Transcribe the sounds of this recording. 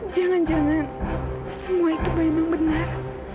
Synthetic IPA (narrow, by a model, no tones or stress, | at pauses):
d͡ʒaŋand͡ʒaŋan | səmuait̪ubəimaŋbənar